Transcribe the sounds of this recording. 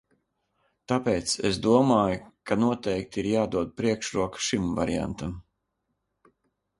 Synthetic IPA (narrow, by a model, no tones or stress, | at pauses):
t̪apeːt̪sesd̪uɔmaːjukanuɔt̪ɛjkt̪iɾjaːd̪uɔd̪̚pɾiɛkʃɾuɔkʃimva̰ɾia̰nt̪am